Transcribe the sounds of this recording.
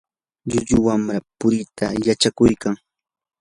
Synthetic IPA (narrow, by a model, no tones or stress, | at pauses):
ʎʊʎʊwamɾapʊɾɪt̪ʰa̰jat͡ʃakʊjkaŋ